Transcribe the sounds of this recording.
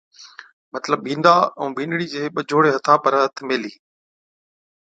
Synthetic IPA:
mɐt̪ləb̚ːĩːnd̪aːɛ̃ːʋĩːnɽiːd͡ʑeːɓəd͡ʒʱoːɽeːɦɐt̪ʰaːpəɾɦət̪ʰmeːliː

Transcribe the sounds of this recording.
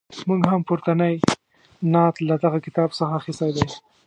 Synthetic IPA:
muɡɦampʊɾt̪anəj | nɑt̪lad̪aɣakɪt̪ɑbsəxaːxɪst̪ajd̪aj

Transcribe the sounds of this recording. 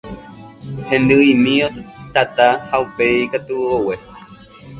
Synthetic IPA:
hẽ̞nd̪ɨimĩot̪at̪ahaupe̞ikat̪uowe

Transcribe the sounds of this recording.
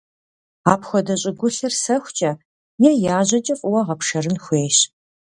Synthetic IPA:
aːpxʷɔdɐɕʼɪɡʷʊɬɨrsɐxʷt͡ʃʼɐ | jɛjaːʑɐt͡ʃʼɐfʼʊwɐʁɐpʂɐrɨnxʷeːɕ

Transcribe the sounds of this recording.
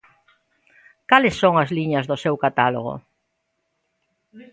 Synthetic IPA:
kalɪsːoŋɐzliɲɐzðʊsewkat̪alo̰ɣ̞o̰

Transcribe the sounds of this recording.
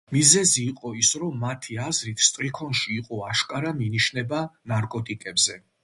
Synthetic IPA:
mizɛziːqʼɔisɾɔmːat̪ʰiazɾit̪ʰst̪ʼɾikʰɔnʃiːqʼɔaʃkʼaɾaminiʃnɛbanaɾkʼɔt̪ʼikʼɛbzɛ

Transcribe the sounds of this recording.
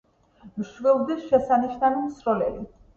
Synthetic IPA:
mʃvɛlˠd̪ɛʃɛsaniʃnanimsɾɔlɛbi

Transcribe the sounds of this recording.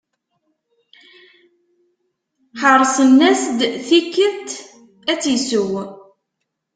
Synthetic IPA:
ħəɾˤsˤənːæsd̪θikːəðt̪ | æt͡sːisʊw

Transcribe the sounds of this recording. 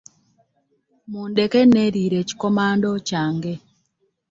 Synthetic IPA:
mundekeneɾiɾet͡ʃkɔmandɔt͡ʃaŋɡe

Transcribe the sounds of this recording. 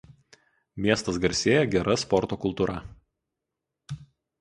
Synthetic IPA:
mʲiɛst̪ɐsɡɐɾʲsʲeːjɛɡʲɛɾɐspɔɾt̪oːkʊlˠt̪uːɾʔɐ

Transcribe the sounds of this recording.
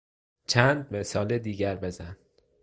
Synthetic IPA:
t͡ʃʰænd̪̚mesɒːled̪iːɟæɾbe̞zæn

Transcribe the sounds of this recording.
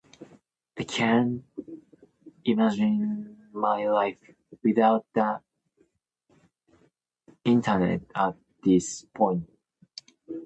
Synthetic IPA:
aɪkʰæ̃n | imad͡ʒɪ̃n | maɪlaɪf | wɪðaʊt̚ðə | ɪ̃ntʰənɛ̰t̚ət̚ðɪspʰɔ̃ɪ̃nt

